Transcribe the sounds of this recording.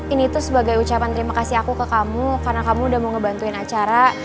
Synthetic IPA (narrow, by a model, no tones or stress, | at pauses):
init̪usəbaɡajut͡ʃapant̪əɾimakasiakukəkamukarənakamuːdahmuŋəbant̪uɪnat͡ʃaɾa